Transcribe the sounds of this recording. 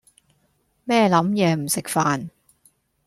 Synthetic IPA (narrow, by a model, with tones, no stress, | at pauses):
mɛː˥˧lɐ˨˥mjɛː˨˧m̩˨˩sɪ˨k̚faː˨n